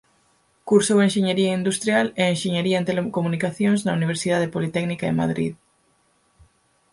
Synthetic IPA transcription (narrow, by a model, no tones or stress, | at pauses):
kuɾsowẽnʃeɲeɾiɐind̪ust̪ɾjaleːnʃeɲeɾiɐẽnt̪elekomunikaθjõŋznɐuniβ̞eɾsiðaðepolit̪ɛknikaḛma̰ðɾḭð